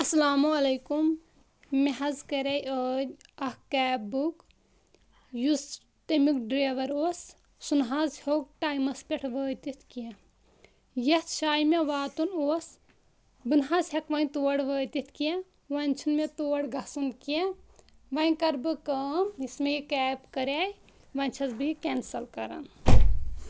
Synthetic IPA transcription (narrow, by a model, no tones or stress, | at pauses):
ɐslaːmuɐlɐjkum | meɦɐzkɐɾɐjəːɐhkɛːbuk | jus | t̪emikɖɾeːʋɐɾoːs | sunɦazhoːk̚ʈaːjmɐspʲeʈʰʋəːt̪it̪ʰkie | jɐht̪t͡ʃʰaːjmeʋaːt̪unoːs | bɨnɦazɦekʋɐnt̪oːɐɽʋəːt̪it̪ʰkijɛ | ʋɐnʲt͡ʃʰunmet̪oːɽɡʱɐsunkijeʋɐjkɐɾbɨkɐmismejikɛːpkɐɾej | ʋɐnʲt͡ʃʰɐzbɨikensɐlkɐɾɐ̰n